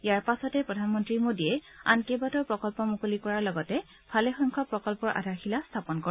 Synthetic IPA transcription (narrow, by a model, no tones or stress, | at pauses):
ijaɹpasɔtɛpɹɔdʱanmɔntɹimodiɛa̰nkebatɔɹpɹɔkɔlpɔmukolikɔɹaɹlɔɡɔtɛ | pʰalɛxɔjŋkʰɔpɹɔkɔlpɔɹʔa̰dʱaɹxʰilastʰapɔnkɔɹɛ